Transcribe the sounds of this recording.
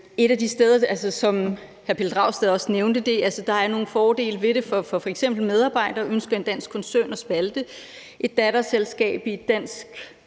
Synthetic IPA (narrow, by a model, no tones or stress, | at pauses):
e̝ɾ̥æd̥isd̥eð̞ˠɐælsəsɒ̽m | hæɐpʰe̝ld̥ʁɑ̈ʊ̰sd̥æðˠɒ̽sneʊnd̥əd̥e̝ʔælsəd̥ɑ̈æɐno̝ːn̩fɒːd̥e̝̰ːlʋe̝ɾe̝fɒ̽fɒ̽fɒ̽eɡ̥sem̰b̥l̩með̞ˠɑ̈ːb̥ɑ̈ɪ̰d̥ɐːʔønsɡ̥ɐe̝nd̥æn̰sɡ̥kʰɒ̽nsœ̰ːnɒ̽sb̥æld̥ə | ʔe̝d̥̚ːæɾɐselsɡ̥ɛ̰ːb̥id̥æn̰sɡ̥